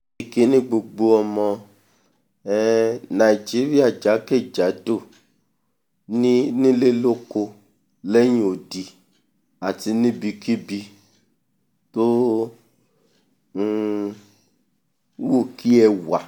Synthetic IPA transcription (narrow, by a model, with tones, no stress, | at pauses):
i˨ke˨˦nĩ˦ɡ͡bo˧ɡ͡bo˧ɔ˧mɔ̃˧ | ɛ˦nã˨i˨d͡ʒi˨˦ɾi˦a˦˨d͡ʒa˨˦ke˦˨d͡ʒa˨˦do˦˨ | nĩ˦nĩ˦le˦lo˦ko˧ | lɛ˦ɲ̃ĩ˦o˨di˧ | a˨ti˧nĩ˦bi˧ki˦bi˧ | to˦˧˦ | wo˦˨kʰi˦ɛ˧wa˨